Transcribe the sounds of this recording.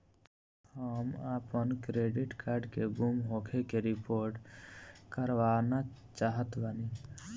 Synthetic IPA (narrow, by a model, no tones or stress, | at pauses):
həməpənkɾeːɖɪʈkʰaːɾɖkebumɦoːkʰekeɾɪpoːɾʈ | kəɾʋaːna | t͡ʃaːɦət̪bəni